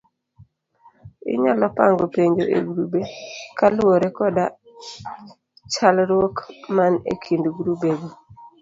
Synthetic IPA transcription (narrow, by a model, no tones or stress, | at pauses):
ɪ̰ɲalɔpaŋɡopeɲd͡ʒoʔḛɡɾubekaloɾekɔda | t͡ʃalɾwokmanḛkʰindɡɾubeɡo